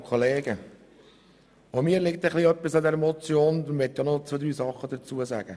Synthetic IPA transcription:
kʰχoleːɡ̥ə | omiːəɾlɪk̚t̪əχliœpːisɑd̪ɛɾmɔt͡sjoːndʋɛt̪jɑnɔt͡sod̪ɾyːsɑχːəd̪əɾt͡suəsæ̰ɡ̥ə

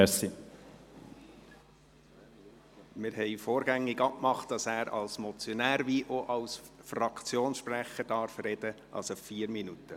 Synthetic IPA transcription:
ɛsi | mɪɾhɛɪfoːɾɡ̥æŋːɪɡɑkmɑχt̚d̥ɑsæːɾɑ̰lsmɔt͡sjɔnæːɾʋiʔoʔɑlsfrɑkt͡sjoːnsʃpræχəɾd̥ɑːɾfɾɛd̥ə | ʔɑ̰sɑpfiːɾminut̪ːə

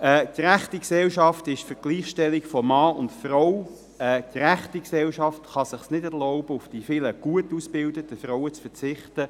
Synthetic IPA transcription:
ɛːd̥iɾæχtiksɛlʃɑftɪʃfəɡ̥liːχʃtɛlikfɔmɑːʊntfrɔw | ɛːd̥ɾæχtiksɛlʃɑftχɑsɪχsnɪdɛɾlɔʊbəʊfd̥ifɪləɡ̥uətuːsb̥ɪldətəfɾɔwət͡sfət͡sɪχtə

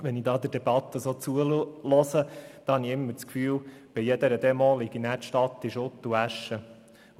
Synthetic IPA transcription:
ʋɛnid̪ɑːd̪əɾd̥ɛb̥ɑt̪ːəsoːt͡suəlɔsəd̥̪ɑhɑniɪmːəɾt͡skfyːlb̥ijɛd̪əɾəd̪ɛmɔːlɪɡinæːɾtʃtɑt̪ːiʃʊt̪ːuæʃːə

